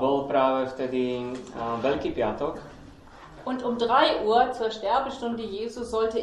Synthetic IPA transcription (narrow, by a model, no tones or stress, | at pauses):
vəlˠpɾaːvəftədi | bəlkipiatɔk | ʔʊntʊmdʁaɪʔuːɐt͡suːɐʃtɛɐbəʃtʊndəjeːzuzɔltə